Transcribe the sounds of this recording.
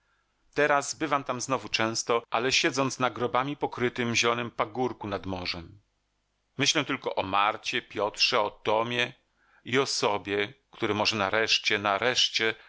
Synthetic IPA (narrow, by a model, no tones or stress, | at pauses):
t̪ɛɾazbɘvamt̪amznɔvut͡ʂɛ̃w̃st̪ɔʔalɛɕɛd̪zɔnt̪snaɡɾɔbamʲipɔkɾɘt̪ɘmʑɛlɔnɘmpaɡuɾkunad̪mɔʐɛmː | ɘɕlɛw̃t̪ɘlkɔʔɔmaɾt͡ɕɛpʲjɔt̪ʂɛɔt̪ɔmʲjɛ | iɔsɔbʲjɛkt̪uɾɛmɔʐɛnaɾɛʂt͡ɕɛnaɾɛʂt͡ɕɛ